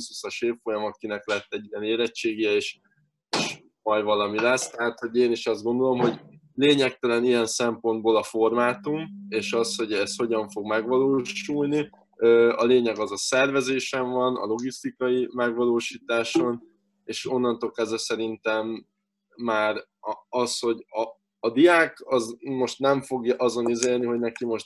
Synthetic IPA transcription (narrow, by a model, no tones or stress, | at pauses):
shusɒʃeːffo̞jɒmɒt̪̚kinɛklɛt̪ːɛɟːijɛneːlɛt͡ʃːeːɡijɛeːʃ | eːʃ | mɒjvɒlɒmilɛst̪ɛɦaːt̪ho̞ɟeːniʃɒzd̪ɡo̞nd̪o̞lo̞mɦo̞ɟ | leːɲɛk̚t̪ɛlɛnijɛnsɛmpo̞nd̪̚boːlɒfo̞rmaːt̪umeːʃɒsho̞ɟɛst̪ho̞ɟɒɱfo̞ɡmɛɡʋɒloːʃulni | øːɒleːɲɛɡɒzɒsɛrvɛzeːʃɛɱvɒnɒ̰lo̞ɡist̪ikɒjimɛɡʋɒloːʃiːt̪aːʃo̞n | eːʃo̞nːɒnt̪o̞kɛzɛsɛɾint̪ɛmː | aːr | ɒsho̞ɟɒː | d̪ijaːkɒzmo̞ʃt̪nɛɱfo̞ɡjɒʔɒzo̞nizeːrniɦo̞ɟnɛkimo̞ʃt̪